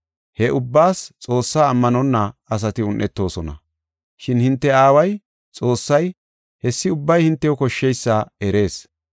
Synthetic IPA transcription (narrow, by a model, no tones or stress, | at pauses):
hɛʔʊbːaːst͡sʼo̞ːsːaːmːɐnɔnːɐɐs̬ɐt̪ɪʊnʔɛt̪ːo̞ːsɔnɐ̰ | ʃɪnhɪnt̪ːɛaːwɐj | t͡sʼo̞ːsːɐj | hɛsːɪʊbːɐjhɪnt̪ːɛjɔkɔʃːɛjsːɐɛɾe̞ːs